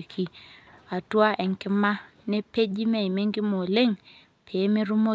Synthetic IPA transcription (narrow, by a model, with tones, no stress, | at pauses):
kʰi˨a˨tu˦a˦ʔɛ˨ŋkɪ˦ma˦ | nɛ˦pe˦d͡ʒi˦mɛ˦˨i˨me˦ŋɡi˦mo˨le˦ŋ | pʰe˨˦me˦ɾu˦mo˦